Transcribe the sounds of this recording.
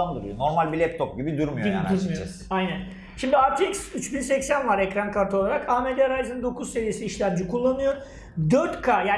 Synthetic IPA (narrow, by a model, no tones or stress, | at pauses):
and̪uɾujono̞ɾmalʲbilʲɛp̚t̪ʰop̚ɟibid̪uɾmujoia̰uɾmujo | ajnæn | ʃimd̪iaɾt̪ʰiiksyt͡ʃbinsɛcsænvaɾɛcɾankʰaɾt̪ʰo̞lˠaɾakʰaːmed̪eɾajzɯnd̪o̞kʰuzse̞ɾije̞siːʃlʲæmd͡ʒikʰulˠːanɯjo | d̪øɾt̪kʰaːjaː